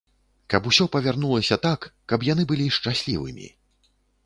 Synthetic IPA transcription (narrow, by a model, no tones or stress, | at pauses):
kɐpusʲɔpɐvʲarnulˠɐsʲɐt̪akːɐpjan̪ɨbɨlʲiʂt͡ʂasʲlʲḭvɨ̰mʲḭ